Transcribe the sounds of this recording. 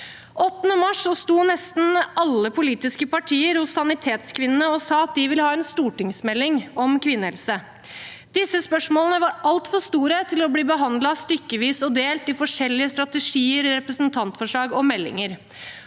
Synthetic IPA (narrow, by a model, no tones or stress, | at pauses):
ʔɔt̪ːənəmɑʂɔst̪uːnɛst̪n̩ɑlːəpʰʊliːt̪ɪskəpɑʈʰiːəɾhʊsːɑnɪt̪ʰeːt̪skʰʋɪnənəɔsɑːɑt̪̚d̪ɪʋɪlhɑːɛnst̪uːʈɪŋsmɛlːɪŋɔmkʰʋɪnːəhɛlsə | d̪̥ɪsːəspœʂmoːlnəʋɑɾʔɑlt̪fɔʂt̪uːɾət̪ʰɪlɔbliːbəɦɑnd̪lɑst̪ʏkːəʋiːsɔd̪eːlt̪ɪfɔʂɛlːɪəst̪ɾɑt̪əʂiːəɾɾɛpɾəsnt̪ʰɑnt̪fɔʂɭɑːɡɔmɛlːɪ̰ŋəɾ